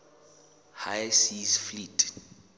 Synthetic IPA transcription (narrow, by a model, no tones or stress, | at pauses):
haɛsisflitʰʼ